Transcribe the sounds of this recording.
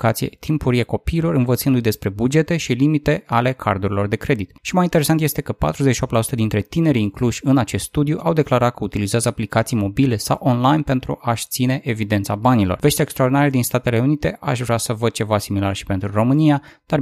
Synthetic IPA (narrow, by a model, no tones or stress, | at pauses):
kat̪sijḛt̪ʰimpuɾieko̞piːlo̞rɨnvət̪sɨnd̪ujd̪e̞spɾe̞bud͡ʒe̞t̪e̞ʃilimit̪e̞ale̞kʰa̰rd̪uɾilo̞rd̪e̞kɾe̞d̪it̪ʃimajint̪eesant̪je̞st̪e̞kəpa̰t̪ɾuzeʃiopt̪lasu̥t̪əd̪int̪ɾe̞t̪ine̞ɾiːŋkluʃʲɨnat͡ʃe̞st̪st̪ud̪juʔawd̪e̞klaɾat̪̚kəut̪ilizeazəaplikat̪sijmo̞bile̞sa̰wʔo̞nlajnpe̞nt̪ɾṵʔaʃt̪sine̞ʔevid̪e̞nt̪sabanilo̞rve̞ʃt̪eekst̪ɾaord̪inaɾed̪inst̪at̪e̞le̞unit̪e̞ʔa̰ʃvɾasəvəd̪̚t͡ʃe̞vasimila̰rʃi̥pe̞nt̪ɾuro̞mɨnijad̪̥ar